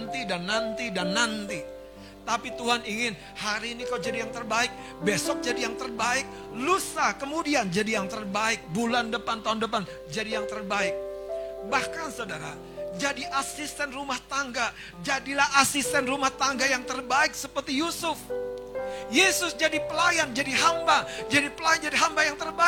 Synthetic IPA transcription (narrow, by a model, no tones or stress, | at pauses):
nt̪idanːant̪idanːant̪i | t̪apit̪uɦaniŋɪn | haɾiːnikawd͡ʒadijaŋt̪ərbaɪk̚ | besɔk̚d͡ʒadijaŋt̪ərbaɪk̚ | lusakəmudiand͡ʒadijaŋt̪ərbaɪk̚bulandəpant̪aɦundəpan | d͡ʒadijaŋt̪ərbaɪk̚bahkansadaɾa̰ | d͡ʒadiʔasist̪ɛnrumaht̪aŋɡa | d͡ʒadilahasist̪ɛnrumaht̪aŋɡajaŋt̪ərbaɪk̚səpərt̪ijusʊf | jesʊsd͡ʒadipəlajand͡ʒadiɦambad͡ʒadipəlajɛnd͡ʒadiɦambajaŋt̪ərba